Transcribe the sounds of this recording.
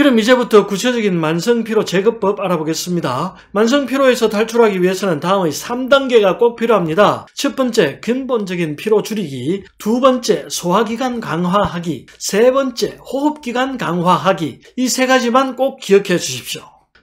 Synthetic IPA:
kɯɾʌmid͡ʑe̞butʰʌkut͡ɕʰed͡ʑʌɡinmansʰɯŋpʰiɾot͡ɕe̞ɡɯp͈ʌbaɾaboɡe̞s͈ɯmɲida | mans̬ʰɯŋpʰiɾoe̞sʰʌtaɭt͡ɕʰuɾɦaɡiɥiɦe̞sʰʌnɯntaɯmɯjsʰamdaŋɡe̞ɡak͈ok̚pʰiɾjoɦamɲidat͡ɕʰʌp͈ʌnt͡ɕ͈e̞kɯnbond͡ʑʌɡinpʰiɾot͡ɕuɾiɡitubʌnt͡ɕ͈e̞sʰoɦaɡiɡwankaŋɦwaɦaɡisʰe̞bʌnt͡ɕ͈e̞hoɦɯp̚k͈iɡwankaŋɦwaɦaɡi | isʰe̞ɡad͡ʑimank͈ok̚k͈ːiʌkʰe̞d͡ʑuɕʰi̥p̚ɕ͈jo

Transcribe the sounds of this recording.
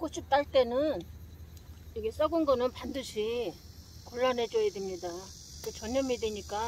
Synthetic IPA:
kot͡ɕ͈ʰup̚t͈aɭt͈e̞nɯn | iɡe̞s͈ʌɡɯnɡʌnɯnpandɯɕʰi | koɭːanɦe̞d͡ʑʌjedemɲida | kɯt͡ɕʌɲʌmideɲik͈a

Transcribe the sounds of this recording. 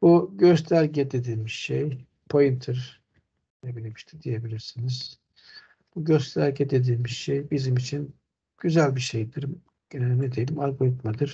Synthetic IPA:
b̥uɟøst̪ʰæɾʲɟɛd̪e̞d̪iːmiʃʃej | pʰojint̪ʰɯɾ | nebilʲimiʃt̪ʰid̪ije̞bilʲiɾsiniz̥ | b̥uɟøst̪ʰæɾʲɟɛd̪e̞d̪iːmiʃʃejbizimit͡ʃʰin | ɟ̥yzælʲbiʃe̞jd̪iɾ | ɟ̥enelʲimɛd̪ejelʲimalɡo̞lʲit̪mad̪ɯɾ̥

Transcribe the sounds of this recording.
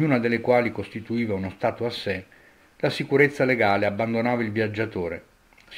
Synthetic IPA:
uːnad̪elːekwaːlikost̪it̪uiːvaunost̪aːt̪oasːe | lasikuɾet̪sːaleɡaːleabːand̪onaːvailvjad͡ʒːat̪oːɾḛ

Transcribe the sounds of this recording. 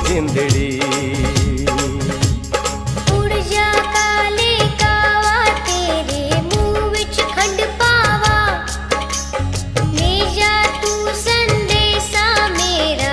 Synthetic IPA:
zɪnd̪ɽiː | ʊɾd͡ʒaːkaleːkaːʋaːt̪eːɾemũːʋɪt͡ʃkʰəɖpaːʋaː | meːd͡ʒaːt̪usənd̪eːsãːmeːɾa

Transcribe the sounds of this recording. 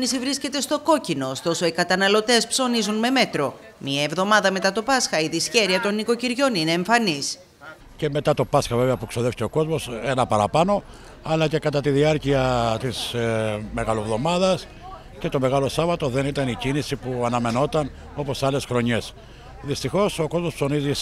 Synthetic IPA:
nisivɾisce̞t̪e̞st̪o̞ko̞cino̞ːst̪o̞so̞ikɐt̪ɐnɐlo̞t̪e̞spso̞nizunme̞me̞t̪ɾo̞ | miɐevðo̞mɐðɐme̞t̪ɐt̪o̞pɐsxɐiðisçeɾiɐt̪o̞nːiko̞ciɾʝo̞nine̞ːɱfɐnis | ce̞me̞t̪ɐt̪o̞pɐsxɐve̞veɐpueksoðeficeo̞ko̞zmo̞senɐpɐɾɐpɐno̞ | ɐlɐce̞kɐt̪ɐt̪iðiɐɾciɐt̪izme̞ɣɐlovðo̞mɐðɐs | ce̞t̪o̞me̞ɣɐlosɐvɐt̪o̞ðe̞nit̪ɐnicinisipuɐnɐme̞no̞t̪ɐn | o̞po̞sːɐle̞sxɾo̞ɲe̞s | ðist̪ixo̞so̞ko̞zmospso̞nizi

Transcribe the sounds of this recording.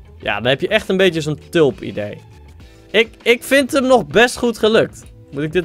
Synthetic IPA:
ja̰ːdɔnhɛpjəʔɛxtənbeːtjəzontølˠpḭdeː | ɪkɪkfɪntəmnɔxbɛstχutχəløk̚t | mutɪɡ̚dɪt

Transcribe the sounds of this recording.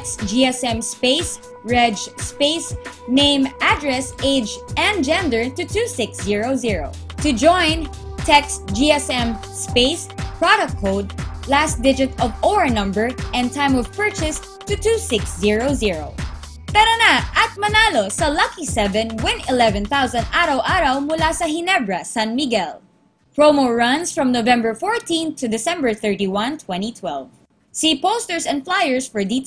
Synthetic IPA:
tɛksd͡ʒiɛsɛ̃mspeɪs | ɹɛd͡ʒspeɪsnẽɪ̃mad̪ɹɛseɪd͡ʒɛ̃nd͡ʒɛ̃nd̪ə˞t̪ɨt̪usɪksziɹoʊziɹo̰t̪ʊd͡ʒɔ̃ɪn | t̪ʰɛksd͡ʒiɛsɛ̃m | speɪspɹɔdɐk̚t̚kʰːoʊd̪̚lasd̪ɪd͡ʒɪt̪ɔvɔɹɐnʌ̃mbə˞ʔɛ̃nt̪ãj̃mɔv̥pɜ˞t͡ʃɪs | t̪ut̪usɪksziɹoziɹoʊ | pɛɾonaʔɐt̪̚mɐnalosɐlʌkisɛvɛ̃nwɪ̃nɪlɛvɛ̃nθawsɐ̃nd̪ʔaɾawʔaɾɐwmʊlasɐɦɪnɛbɹɐsãnmiɡɛl | pɹomoɹʌnsfɹɔ̃mnovɛ̃mbəɹfɔːɹt̪ĩnt̪ːud̪ɪsɛ̃mbəɹθɛ˞t̪iwʌ̃nt̪ʰwɛ̃ntit̪ʰwɛlv | sipoʊst̪ɛɹsɛ̃nd̪flajɛɹsfɔɹd̪it̪

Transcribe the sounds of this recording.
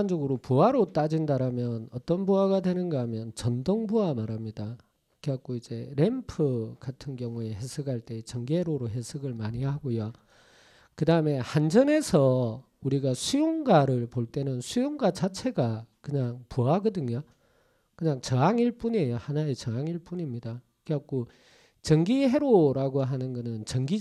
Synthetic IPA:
nd͡ʑʌɡɯɾopuaɾot͈ad͡ʑindaɾamjʌnʌt͈ʌnboaɡadwe̞nɯnɡaamjʌnt͡ɕʌndoŋbuamaɾamɲida | kʰeak͈oid͡ʑe̞ɾempʰɯkatʰɯnɡjʌŋue̞ɦesʰɯɡaɭt͈e̞t͡ɕʌŋɡeɾoɾoɦe̞sʰɯɡɯɭmaɲihaɡojo | kɯdaɯme̞hand͡ʑʌne̞sʰʌ | uɾiɡasʰujoŋɡaɾɯɭpoɭt͈e̞nɯnsʰujoŋɡat͡ɕat͡ɕʰe̞ɡakɯɲaŋpuaɡʌdɯɲo | kɯɲaŋt͡ɕʌŋaŋiɭp͈unejohanaet͡ɕʌŋɦaŋiɭp͈uɲimɲida | kʰeak̚k͈o | t͡ɕʌŋɡihe̞ɾoɾaɡoɦanɯnɡʌnɯnt͡ɕʌŋɡi

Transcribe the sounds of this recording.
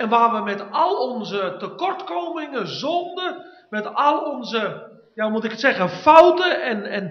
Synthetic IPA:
ɛnʋaːʋəmɛtalˠɔnzətəkɔrtkowmɪŋəzɔndə | mɛtalˠɔnzə | jamutɪkətsɛɣənfawtəɛnɛn

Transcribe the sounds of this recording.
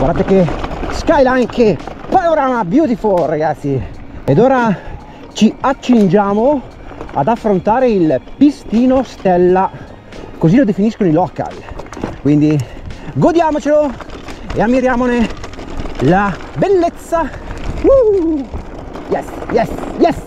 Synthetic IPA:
ɡwa̰ɾd̪at̪ːekeskajlaaŋkepanoɾaːmabjuːt̪ifolːaɡat̪sːied̪oːɾa | t͡ʃiat͡ʃːind͡ʒaːmo | a̰d̪afːɾont̪aːɾeilpist̪iːnost̪ɛlːa | kozilod̪efiniskonoilɔːka̰lkwind̪iɡod̪jaːmot͡ʃelo | eamːiɾjaːmone | labelːet̪sːau | jɛsjɛsjɛs

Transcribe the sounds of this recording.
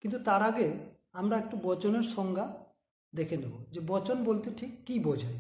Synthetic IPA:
kint̪ut̪aɾaɡe | amɾaek̚ʈubɔt͡ɕoneɾʃɔŋɡʱa | d̪ekʰed̪ebod͡ʑebɔt͡ɕonbolt̪eʈʰikːibod͡ʑʱa

